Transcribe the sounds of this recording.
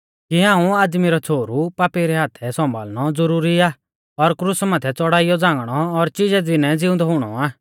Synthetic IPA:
kiɦãːũaːd̪miɾɔt͡sʰoːɾupaːpiɾɛɦaːt̪ʰɛsɔ̃mba̰ːlñɔd͡zʊɾuːɾiaː | ɔɾkɾʊsmaːt̪ʰɛt͡sɔɽaːɪjɔd͡zãːŋɡɽ̃ɔːɾt͡ʃɪd͡zɛd͡zɪnɛd͡zɪʊ̃nd̪ɔɦʊɽ̃ɔ̰aː

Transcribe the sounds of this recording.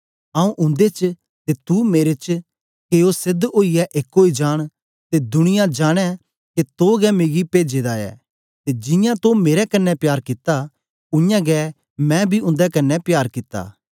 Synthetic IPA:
ãːũʔʊ̃nd̪et͡ʃ | t̪et̪umeːɾet͡ʃ | keosɪd̪oːiɛʔeːkoːid͡ʒaːɽ̃ | t̪ed̪ʊɽ̃ɪjad͡ʒaːɽ̃ɛ | ket̪oɡɛmeːɡipeːd͡ʒed̪aɛ̰ː | t̪ed͡ʒɪ̃jãt̪omeːɾɛkɐnːɛpjaːɾkɪt̪ːa | ʊ̃jãɡɛ | mɛ̃bʱiʊ̃nd̪ɛkɐnːɛpjaːɾkɪt̪ːa̰ː

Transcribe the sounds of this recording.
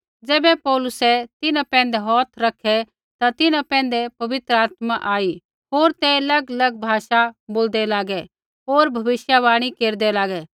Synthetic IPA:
d͡zɛːbɛpɔːlʊsɛt̪ɪnãpɛ̃ːnd̪ɛɦɔːt̪ʰɾɐkʰɛ | t̪at̪ɪnãpɛ̃ːn̆d̪ɛpɐʋɪt̪ɾəaːt̪maʔaːi | ɦoːɾt̪ɛlɐɡlɐɡ̚bʱaːʃaboːld̪ɛlaːɡɛ | ɦoːɾbʱɐbɪʃjaβaːɽ̃ikeːɾd̪ɛlaːɡɛ

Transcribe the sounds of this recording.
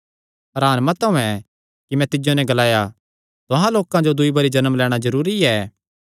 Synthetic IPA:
ɐɾaːnmɐt̪ɐũɛ̃ | kimɛ̃t̪ɪd͡ʒonɛ̃ɡɐlaːja | t̪ʊɦãloːkãd͡ʒod̪ʊibɐɾid͡ʒɐnəmlɛːɽ̃azɐɾuːɾiɛː

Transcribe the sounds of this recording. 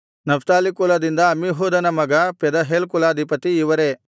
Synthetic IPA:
nɐfʰt̪aːlikulɐd̪ind̪ɐːmiɦoːd̪ɐnɐmɐɡɐpɛd̪ɐɦeːlkulɐɐd̪ʱipɐt̪iːʋɐɾe

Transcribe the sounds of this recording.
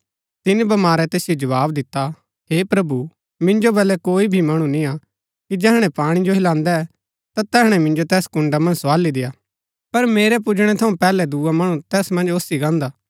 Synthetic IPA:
t̪ɪnibɐmaːɾɛt̪eːsɪjod͡ʒɐʋaːbd̪ɪt̪ːa | ɦeːpɾɐbu | mɪ̃nd͡ʒobɛːlɛkoːibʱimɐɽ̃ũnĩa | kid͡ʒɛːɦɽ̃ɛ̃paːɽ̃id͡ʒoɦɪlãːnd̪ɛ | t̪at̪ɛːɦɽ̃ɛmɪ̃nd͡ʒot̪ɛːskʊ̃ɳɖamɐ̃nd͡ʒsʋaːlid̪ɪjaː | pɐɾmeːɾɛp̬ʊd͡ʒɽ̃ɛt̪ʰɐũpɛːlɛd̪uːamɐɽ̃ũt̪ɛːsmɐ̃nd͡ʒoːsiɡãːnd̪aː

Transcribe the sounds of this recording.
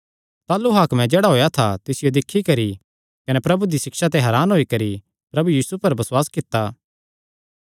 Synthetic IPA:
t̪aːlːuɦaːkmɛ̃d͡ʒeːɽaɦoːjat̪ʰat̪ɪsɪjod̪ɪkʰːikɐɾi | kɐnɛpɾɐbud̪isɪksat̪eɦɐɾaːnɦoːikɐɾi | pɾɐbujiːsupɐɾbɐswaːskɪt̪ːaː

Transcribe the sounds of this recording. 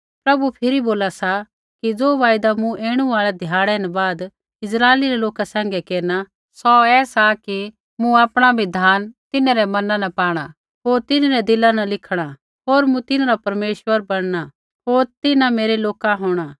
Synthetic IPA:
pɾɐbupʰɪɾiboːlasa | kid͡zoːʋaːjd̪amũʔeːɽ̃ũaːɭɛd̪ʱjaːɽɛnbaːd̪ | ɪsɾaːeliɾɛloːkasãːŋ̆ɡɛkeːɾna | sɔɛːsaki | mũaːpɽ̃abʱid̪ʱaːnt̪ɪnãɾɛmɐnãnɐpaːɽ̃a | ɦoːɾt̪ɪnɾɛd̪ɪlanɐlɪkʰɽ̃a | ɦoːɾmũt̪ɪnãɾapɐɾmeːʃwəɾbɐɽ̃ɽ̃a | ɦoːɾt̪ɪnãmeːɾeloːkaɦoːɽ̃a

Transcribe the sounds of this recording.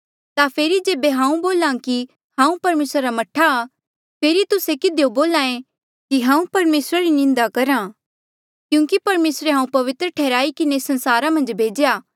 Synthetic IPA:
t̪apʰeːɾid͡ʒeːbeɦãːũboːlãːki | hãːũpɐɾmeːsɾaɾamɐʈʰːaː | pʰeːɾit̪ʊsekɪd̪ejoboːlaːẽ | kiɦãːũpɐɾmeːsɾaɾinɪ̃nd̪akɐɾã | kjũːkipɐɾmeːsɾeɦãːũpɐʋɪt̪ɾəʈʰɛːɾaːikɪnesɐ̃nsaːɾamɐ̃nd͡ʒbʱeːd͡ʒejaː

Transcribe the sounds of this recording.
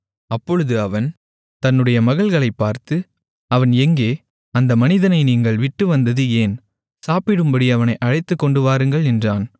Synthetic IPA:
ɐpːɔɻɯðɯɐʋɐn | t̪ɐnːɯɽɐjɐmɐɣɐɭɣɐɭɐɪpːaːɾt̪ɯ | ɐʋɐnɛŋɡeː | ɐnd̪ɐmɐnɪðɐnɐɪniːŋɡɐɭʋɪʈːɯʋɐnd̪ɐðɯeːn | saːpɪɽɯmbɐɽiɐʋɐnɐɪʔɐɻɐɪt̪ːɯkːɔɳɖɯʋaːɾɯŋɡɐɭɛndraːn

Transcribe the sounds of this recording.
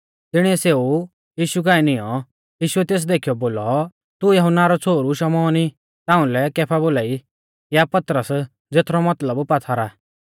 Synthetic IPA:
t̪ɪɽ̃iɛseːu | jiːʃukaːɛnɪjɔ | jiːʃuɛt̪eːs̬d̪eːkʰijɔboːlɔ | t̪ujɐɦʊnːaɾɔt͡sʰoːɾuʃɐmɔːni | t̪aːʊ̃lɛkɛːpʰaboːlaːi | japɐt̪ɾəs | d͡zeːt̪ʰɾɔmɐt̪ləbpat̪ʰaɾa

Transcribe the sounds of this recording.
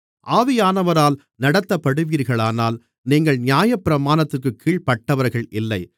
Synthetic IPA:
ʔaːʋɪjaːnɐʋɐɾaːl | nɐɽɐt̪ːɐpːɐɽɯʋiːɾɣɐɭaːnaːl | niːŋɡɐɭnɪjaːjɐpːɪɾɐmaːnɐt̪ːɯrkɯkʰːiːɭpɐʈːɐʋɐɾɣɐɭʔɪlːɐɪ

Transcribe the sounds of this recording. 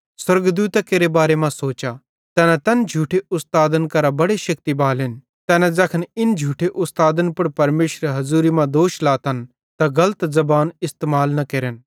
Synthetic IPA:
swɐɾɡd̪uːt̪akeːɾebaːɾemãsoːt͡ʃa | t̪ɛːnãt̪ɐnd͡ʒʱuːʈʰeʔʊst̪aːd̪ənkɐɾabɐɽeʃɐkt̪ibaːlɪn | t̪ɛːnad͡zɐkʰənɪnd͡ʒʱuːʈʰeʔʊst̪aːd̪ənpʊɽpɐɾmeːʃɾeɦɐzuːɾimãd̪oːʃlaːt̪ʰɐn | t̪aɡɐlət̪zɐbaːnɪst̪eːmaːlnɐkeːɾən

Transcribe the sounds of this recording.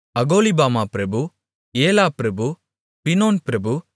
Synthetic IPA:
ɐɡoːlibaːmaːpɾɐbu | eːlaːpɾɐbu | pɪnoːnpɾɐbu

